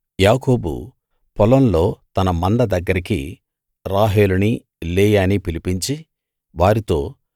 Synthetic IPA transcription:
jaːko̞ːbṵ | pɔlɐnlo̞ːt̪ɐnɐmɐɳɖɐd̪ɐɡːɐɾikḭ | ɾaːɦeːluni | leːjaːnipilipiɲt͡ʃi | ʋaːɾit̪o̞ː

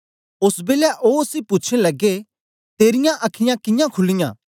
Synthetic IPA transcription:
ʊsbeːljaʔoːsipʊːt͡ʃʰnelɐɡe | t̪eːɾɪjãʔɐkʰɪjãkɪjãkʰʊlɪjã̰ː

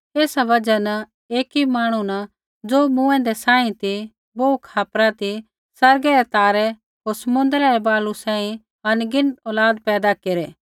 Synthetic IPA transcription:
eːsaʋɐd͡ʒɐn | eːkimaːɽ̃una | d͡zoːmũːɛ̃d̪ɛsãːĩt̪i | boːukʰaːpɾat̪i | sɐɾɡɛɾɛt̪aːɾɛ | ɦoːɾsɐmʊ̃nd̪ɾaɾɛbaːlusãːĩ | ɐnɡɪnɔːlaːd̪pɛːd̪akeːɾɛː

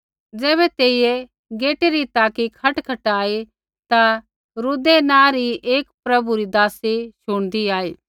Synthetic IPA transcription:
d͡zɛːβɛt̪eːije | ɡeːʈeɾit̪aːkikʰɐʈkʰɐʈaːe | t̪a | ɾud̪enãːɾieːkpɾɐbuɾid̪aːseʃʊɽ̃d̪iaːeː

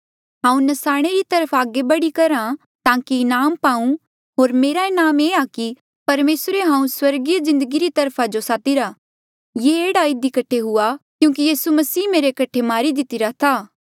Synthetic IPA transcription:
ɦãːũnɐsaːɽ̃eɾit̪ɐɾəpʰaːɡebɐɽikɐɾã | t̪ãːkiɪnaːmpaːũ | ɦoːɾmeːɾaɪnaːmeːaki | pɐɾmeːsɾeɦãːũswɐɾɡizɪ̃nd̪əɡiɾit̪ɐɾpʰad͡ʒosaːt̪iɾa | jeːeːɽaɪd̪ikɐʈʰeɦʊakjũːk̬ijiːsumɐsiːmeːɾekɐʈʰːemaːɾid̪ɪt̪ɪɾat̪ʰaː

